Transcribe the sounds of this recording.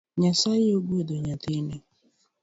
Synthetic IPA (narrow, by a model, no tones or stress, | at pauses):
ɲasaɪoɡ͡boedoɲatine